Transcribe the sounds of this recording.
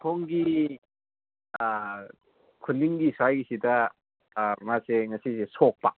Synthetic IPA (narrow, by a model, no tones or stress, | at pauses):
tʰoŋɡi | kʰunːiŋɡisajɡisidɐ | maseŋɐsisesok̚pa